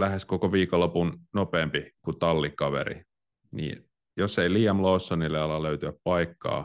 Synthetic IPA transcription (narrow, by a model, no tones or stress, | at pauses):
læheskokoʋiːkolopunnopeːmpikut̪ɑlːikːɑʋḛɾḭ | nḭːn | joseiliːɑmloːsːonilːeɑlɑløyt̪yæppɑikːɑ̰ː